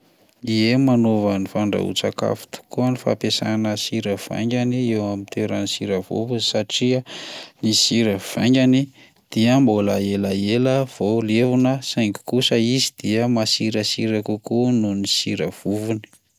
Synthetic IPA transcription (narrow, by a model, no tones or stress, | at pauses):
iemanovanifaɳɖ͡ʐa̰ṵt͡sa̰ka̰fu̥t̪u̥kuənifa̰pesanəsiɾəv̥a̰ŋɡʲaniewamint̪ʰeɾənisiɾəvṵvunsaʈ͡ʂiənisiɾəv̥a̰ŋɡʲani | d̪̥iəmboləelaeləv̥olevunəsajŋki̥kusəizid̪̥iəmasiɾəsiɾakukununisiɾəv̥uvuni̥